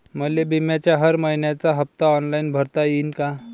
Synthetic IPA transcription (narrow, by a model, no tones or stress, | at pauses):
məlebimjat͡ɕjaɦəɾməɦinjat͡saɦəp̚t̪aɔnlainbʱəɾt̪ajiːnka